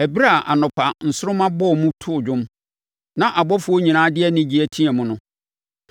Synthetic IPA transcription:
æ˨bi˦ɾa˦˨ʔa̰˨nʊ̃˨pʰa˨n̩˨sʊ˦ɾʊ˦mã˦bɔ˦˨mũ˦tʰʊ˦ʊ˨d͡ʑᶣʊ̃˦m | nã˦ʔa˨bɔ˦fʊ˨˦o˦ɲĩ˨nãː˦dɪ˦ɛ˦nɪ̃˦d͡ʑi˦æ˦tʰĩ˦ɛ˨mʊ̃˦nʊ̃˦

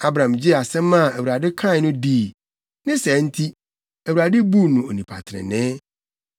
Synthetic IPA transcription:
a˦bɾã˨md͡ʑi˦˨a˨sɛ̃˦mːã˦˨æ˨wu˨ɾa˨dɪ˦kʰã˦˨˦nʊ̃˦diː˦˨ | nɪ̃˦sɛ˨˦n̩˦tʰi˦ | æ˨wu˨ɾa˨dɪ˦bu˦nũ˨o˨nĩ˨pʰa̰˨tʰɪ˨ɾɪ̰˨nɛ̃ː˦

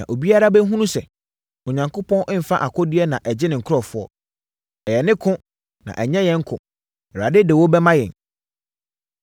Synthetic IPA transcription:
nã̰˨ʔo˨bi˦a˦ɾa˦bɛ˦ɦũ˦nũ˦sɛ˨ | o˨ɲã˨ŋkʰʊ˦pʰɔ̃˦nʔɪ̃˦m̩˨fa˦ʔa˨kʰɔ˦dɪ˦ɛ˦nã˨ʔɛ˨d͡ʑɪ˦nɪ̃˨ŋ̩˨kʰʊ˦ɾɔ˨fʊ˦ɔ̰˦ | ɛ˨jɛ˨nɪ̃˦kʰʊ̃˦ | nã̰˨ʔæ˨ɲɛ̃˦jɛ̃˨ŋ̩˦kʰʊ̰̃˨ | ɛ˨a˨dɪ˦dɪ˨wɔ˦bɛ˦mã˦jɛ̰̃˨n

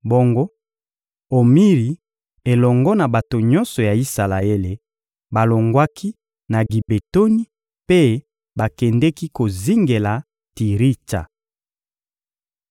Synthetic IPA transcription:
bo˦ŋɡo˦ | o˨mi˦ʁi˨ | e˨lɔ˨ŋɡɔ˦na˨ba˨to˨ɲɔ˦nsɔ˨ja˨i˦sa˨la˨e˦le˨ | ba˨lo˨ŋɡwa˦kʰi˦ | na˨ɡi˨be˨to˦ni˦ | pe˦ | ba˨kɛ˨ndɛ˦ki˦ko˨zi˦ŋɡe˨la˨ | ti˨ʁi˦ta̰˨

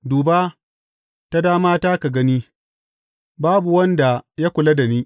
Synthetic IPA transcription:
duː˨baː˦ | ta˦daː˦maː˦taː˦ka˨ɡɐ˦niː˦ | baː˦bu˨wɐ˦nda˨ja˦kʷʊ˨la˦da˨niː˦

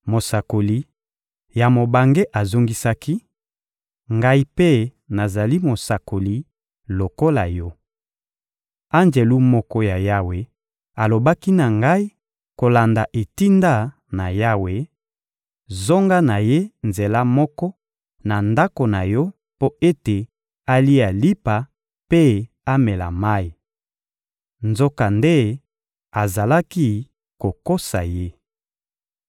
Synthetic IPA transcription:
mo˨sa˨ko˨li˨ | ja˨mo˨ba˨ŋɡe˦ʔa˨zo˦ŋɡi˦sa˦ki˦ | ŋɡa˦i˦pe˦ | na˨za˨li˦mo˨sa˨ko˨li˨ | lo˨ko˦la̰˨jɔ˦ | a˦nze˨lu˦mɔ˦kɔ˦ja˨ja˦we˨ | a˨lo˨ba˦ki˦na˨ŋɡa˦i˦ | ko˨la˨nda˨ʔe˨ti˦nda˦ | na̰˨ja˦we˨ | zo˦ŋɡa˦na˨je˦nze˨la˦mɔ˦kɔ˦ | na˨nda˦ko˨na˨jɔ˦ | po˦e˦te˨ | a˦li˦a˨li˦pa˨ | pe˦ | a˦mɛ˨la̰˨ma˦i˨ | nzo˦ka˨nde˦ | a˨za˨la˦ki˦ | ko˨ko˦sa̰˨je˦

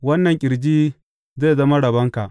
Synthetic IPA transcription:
wɐ˦nːɐ˨ŋkʲʼɪ˨ɽd͡ʒiː˦ | zeː˦˨zɐ˦ma˦ɽɐ˨bɐ˦ŋka˨ʔ

